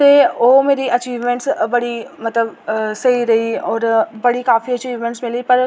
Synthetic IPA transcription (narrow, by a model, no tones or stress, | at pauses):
teoːmeːɾiʔɐt͡ʃiːʋmẽɳʈsbɐɽimɐt̪ləbsɐiɾɐɦiɔːɾbɐɽikaːfiɐt͡ʃiːʋmẽɳʈsmɪlipɐɾ